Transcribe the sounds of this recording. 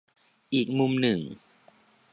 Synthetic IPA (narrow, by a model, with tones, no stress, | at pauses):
ʔiː˨˩k̚mu˧mnɯ˨˩ŋ